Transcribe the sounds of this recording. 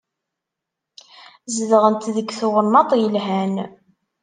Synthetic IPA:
zðəʁənt̪ðəɡθʊwənːɑt̪ˤjəlɦæn

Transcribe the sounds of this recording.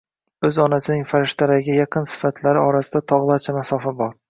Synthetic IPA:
ɵzɒnasɪnɪŋfaɾɪʃt̪ʰaɾaɪɡʲajaqʰɨnsɪ̥fat̪ʰlaɾɪɒɾasɪd̪at̪ʰɒʁlˠaɾt͡ʃʰamasɒfabɒɾ

